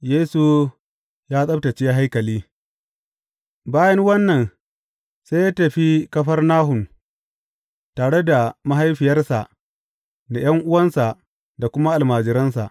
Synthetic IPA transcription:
jeː˦su˨ | jaː˦sʼɐ˦btɐ˨t͡ʃeː˦ja˦ɦa˦jkɐ˨liː˦ | baː˦jɐ˦ŋwɐ˦nːɐ˨n | se˦jaː˦tɐ˨ɸi˦kɐ˦ɸɐ˦rnaː˦ɦʊ˨n | taː˨ɽe˦da˨ma˦ɦa˦jɸɪ˨jɐ˦rsa˨ʔ | da˨j̰ɐ˦ŋʔʊ˦wɐ˦nsa˨ʔ | da˨kʷʊ˦ma˦ʔa˨lmaː˨d͡ʒɪ˨˦ɾɐ˦nsa̰˨ʔ

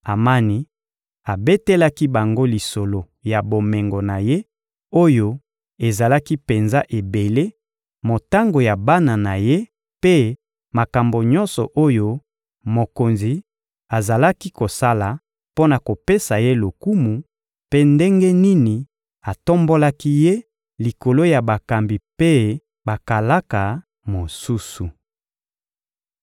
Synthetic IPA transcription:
a˨ma˦ni˨ | a˨be˦te˦la˦ki˦ba˨ŋɡo˦li˨so˨lo˨ | ja˨bo˨me˨ŋɡo˨na˨je˦ | o˦jo˦ | e˨za˨la˦ki˦pe˨nza˦ʔe˨be˨le˦ | mo˨ta˦ŋɡo˨ja˨ba˦na˨na˨je˦ | pe˦ | ma˨ka˨mbo˨ɲɔ̃˦nsɔ˨ʔo˦jo˦ | mo˨ko˨nzi˨ | a˨za˨la˦ki˦ko˨sa˦la˨ | po˦na˨ko˨pe˦sa˨je˦lo˨ku˦mu˨ | pe˦nde˦ŋɡe˦ni˦ni˨ | a˨to˦mbo˦la˦ki˦je˦ | li˨ko˨lo˦ja˨ba˨ka˨mbi˨pe˦ | ba˨ka˨la˦ka˨ | mo˨su˦su˨

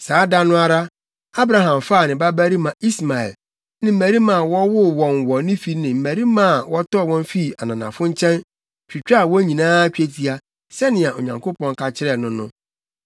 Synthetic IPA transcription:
saː˨˦da˦nʊ̃˦a˦ɾa˦ | a˦bɾa˨ɦã˨mfaː˦˨nɪ̃˨ba˦bæ˦ɾi˦mã˨i˦sma˨ɛ̰˨l | nɪ̃˦m̩˦mæ˨ɾi˦mã˨wɔ˦wʊ˦wɔ̃˨nwɔ˨nɪ̃˦fi˦nɪ̃˨m̩˨mæ˨ɾi˦mã˦˨wɔ˦tɔ˦˨wɔ̃˦m˦fi˦˨a˨nã˨nã̰˨fʊ̃˦ɲ̩˦t͡ɕʰɛ̃˦n | t͡ɕᶣi˨t͡ɕᶣa˦a˨wɔ̃˦ɲĩ˨nãː˦t͡ɕᶣe˦tʰi˦a˦ | sɛ˦nɪ̃˨a˨ʔo̰˨ɲã˨ŋkʰo˦pɔ̃˦ŋ˦kʰa˨t͡ɕʰɪ˦ɾɛ˨nʊ̃˦nʊ̰̃˦

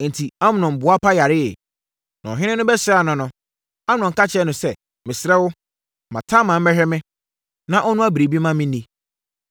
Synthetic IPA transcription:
n̩˨tʰi˨a˦mɪ̃˨nʊ̃˨m̩˨bʊ˨˦a˦pʰa˦ja˨ɾɪ˦ɛ˨ | nã̰˨ɔ˨ɦɪ̃˦nɪ̃˦nʊ̃˦bɛ˦sɪ˦ɛ˦a˨nʊ̃˨nʊ̃˨ | a˦mɪ˨nʊ̃˨ŋ˨ka˦t͡ɕʰɛ˦nʊ̃˨sɛ˦ | mɪ̃˨sɪ˨ɾɛ˦wʊ˦ | mã˨tʰã˦mã˨m̩˦mɛ˦ɦᶣɛ˦mɪ̃˦ | nã˦ʔɔ˦nʊ̃˦a˦bi˨ɾe˨bi˦mã˦mɪ̃˦nĩ˦

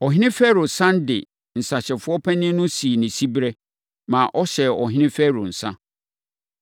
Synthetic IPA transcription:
ɔ˨ɦɪ̃˦nɪ̃˦fɛ˦ɾo˨sã˦n˦dɪ˨ | n̩˨sa˨ɕɛ˨fʊ˦ɔ˦pʰæ˦nɪ̃˦nʊ̃˦si˨nĩ˨si˦bɾɛ˦ | mã˨ʔɔ˦ɕɛ˨ɔ˨ɦɪ̃˦nɪ̃˦fɛ˦ɾo˨n̩˨sã˦

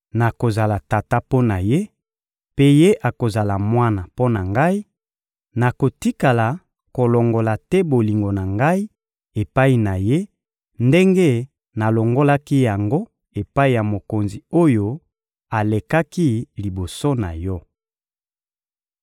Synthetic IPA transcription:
na˨ko˨za˨la˨ta˨ta˦po˦na˨je˦ | pe˦je˦ʔa˨ko˨za˨la˨mwa˦na˨po˦na˨ŋɡa˦i˦ | na˨ko˨ti˦ka˨la˨ | ko˨lɔ˨ŋɡo˨la˨tɛ˦bo˨li˨ŋɡo˨na˨ŋɡa˦i˦ | e˨pa˦i˨na˨je˦ | nde˦ŋɡe˦ | na˨lɔ˨ŋɡo˦la˦ki˦ja˨ŋɡo˦ | e˨pa˦i˨ja˨mo˨ko˨nzi˨o˦jo˦ | a˨le˨ka˦ki˦li˨bo˨so˦na̰˨jɔ˦

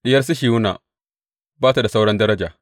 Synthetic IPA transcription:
ɗɪ˦jɐ˦rs̬i˦ʃ̬iː˨wʊ˦na̰ː˨ | baː˦ta˨da˨sa˦wɽɐ˦ndɐ˦ɾɐ˦d͡ʒaː˨

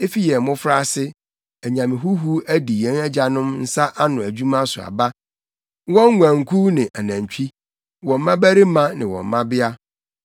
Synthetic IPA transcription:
e˦fi˦jɛ˨mʊ̃˦fɾa˦˨sɪ˦ | æ˨ɲã˨mɪ̃˨ɦu˦ɦu˦æ˦di˨ɛ̃˦næ˦d͡ʑa˨nʊ̃˦mn̩˦sa˦ʔa˦nʊ̃˨æ˨d͡ʑu˦mã˦sʊ˨a̰˨ba˦ | wɔ̃˦ŋ˦ɡʷæ̃˨ŋ˨kʰu˦nɪ̃˨ʔa˨næ̃˨ɲ˨t͡ɕᶣi˦ | wɔ̃˨m̩˦mã˦bæ˦ɾi˦mã˦nɪ̃˨wɔ̰̃˨m˨mã˦bɪ˦a˦

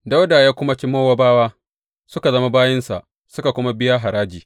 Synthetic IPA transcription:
da˦wda˨jaː˦kʷʊ˦ma˦t͡ʃʲɪ˦moː˦wa˦baː˦waː˦ | sʊ˦ka˨zɐ˦ma˦baː˦jɐ˦nsa̰˨ʔ | sʊ˦ka˨kʷʊ˦ma˦bɪ˦ja˦ɦa˨ɾaː˦d͡ʒiː˨

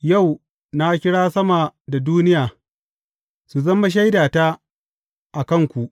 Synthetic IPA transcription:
ja˦˨w | na˦kʲɪ˦ɽaː˦sɐ˦ma˨da˨duː˦nɪ˦jaː˨ | su˨zɐ˦ma˦ʃ̬a˦jdaː˨ta˦ | ʔa˨kɐ˦ŋkʷu˨ʔ

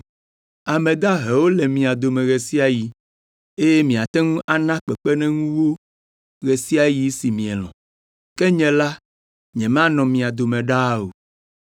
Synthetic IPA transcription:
a˨mɛ̃˨d̪a˦ɦɛ˨wo˦lɛ˨mĩ˨a˨d̪o˨mɛ̃˨ɣe˨si˦a˨ji˨ | e˦jɛ˦mĩ˨a˨t̪ɛ˦ŋũ˦ʔa˨nã˦k͡pɛ˨k͡pɛ˦nɛ̃˦ŋũ˦wo˦ | ɣɛ˨si˦a˨ji˨˦si˨mĩ˨ɛ˨lɔ̰̃˨ | kɛ˦ɲɛ̃˨la˦ | ɲɛ̃˨mã˦nɔ̃˨mĩ˨a˨d̪o˨mɛ̃˨ɖa˦o˨

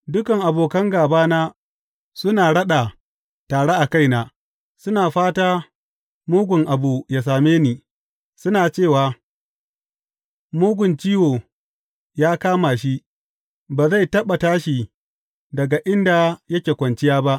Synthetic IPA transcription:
dʊ˦kɐ˨ŋʔa˨boː˨kɐ˦ŋɡaː˨baː˦naː˦ | sʊ˦naː˨ɽɐ˦ɗa˨ | taː˨ɽe˦ʔa˨ka˦jna˨ | sʊ˦naː˨ɸaː˦taː˦ | muː˦ɡʷʊ˨ŋʔa˨bu˨ja˨s̬aː˨meː˦niː˨ | sʊ˦naː˨t͡ʃeː˦˨waː˨ | muː˦ɡʷʊ˨nt͡ʃiː˦woː˨ | jaː˦kaː˦ma˨ʃ̬i˦ʔ | baː˨za˦˨jtɐ˦ɓa˨taː˦ʃi˨ | dɐ˨ɡa˨ʔɪ˦nda˨jɐ˦kʲeː˨kʷɐ˨nt͡ʃɪ˦jaː˦ba˦ʔ

